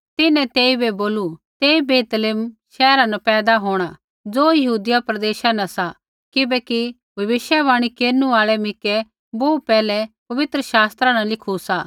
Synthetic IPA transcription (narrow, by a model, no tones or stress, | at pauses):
t̪ɪnɛ̃t̪eːibeboːlut̪eːibeːt̪lɪmʃɛːɾanɐpɛːd̪aɦoːɽ̃a | d͡zoːjɐɦuːd̪ɪjapɾɐd̪eːʃanɐsa | kɪbɛːki | bʱɐʋɪʃjaβaːɽ̃ikeːɾnuaːɭɛmɪkɛ | boːupɛːlɛpɐʋɪt̪ɾəʃaːst̪ɾãnɐlɪkʰusaː